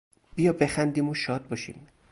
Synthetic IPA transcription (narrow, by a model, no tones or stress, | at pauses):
b̥ijɒːbe̞xænd̪iːmoʃɒːd̪̚bɒːʃḭːm